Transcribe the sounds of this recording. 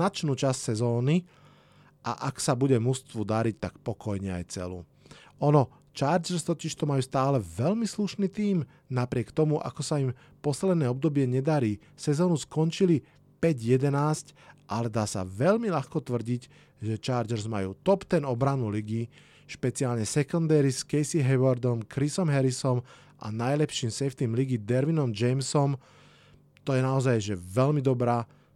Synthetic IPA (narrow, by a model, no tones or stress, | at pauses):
nat͡ʃnuːt͡ʃassɛzɔːni | ʔa̰ʔaksabuɟɛmust̪ʋud̪aɾic̚t̪akpɔkɔjɲɛa̰jt͡sɛ̰lṵː | ɔnɔ | t͡ʃaːɾd͡ʒɛɾst̪ɔciʃt̪ɔmajuːst̪aːlɛʋɛlmisluʃnit̪iːm | napɾɪɛkt̪ɔmuʔa̰kɔsaim | pɔslɛd̪nɛːɔb̚d̪ɔbɪɛɲɛd̪aɾiː | sɛzɔːnuskɔnt͡ʃili | pɛɟjɛd̪ɛnaːscʔalɛd̪aːsa̰ʋɛʎmilaxkɔt̪ʋr̩ɟic | ʒɛt͡ʃaːɾd͡ʒɛɾzma̰juːt̪ɔpt̪ɛnɔbɾanuliɡi | ʃpɛt͡siaːlɲɛsɛkɔnd̪ɛɾiskɛjsiɦɛʋɔɾd̪ɔmkɾisɔmɦɛɾisɔm | ʔa̰najlɛpʃiːmsɛft̪imliɡid̪ɛɾʋinɔmd͡ʒɛjmsɔm | t̪ɔjɛnaɔzajʒɛʋɛlmid̪ɔbɾaː